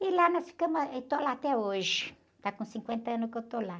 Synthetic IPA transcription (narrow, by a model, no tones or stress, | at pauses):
ilanɔ̃sfi̥kɐ̃mʊt̪olaːt̪ɛoʒɪ | t̪akõsĩŋkwẽnt̪ɐɐ̃nʊkewt̪ola